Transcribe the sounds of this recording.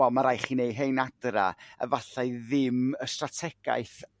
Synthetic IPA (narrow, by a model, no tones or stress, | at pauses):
ɔmaɾajχinejɦejnadra̰ə̰vaɬaɨðɪməstratʰɛɡ̥a̰ɨθ